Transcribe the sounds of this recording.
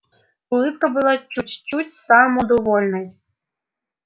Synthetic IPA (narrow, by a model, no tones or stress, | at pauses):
ulˠɨpkɐbɨlˠat͡ʃut͡sʲt͡ʃut͡sʲsamɔd̪ɔvɔlʲnɔj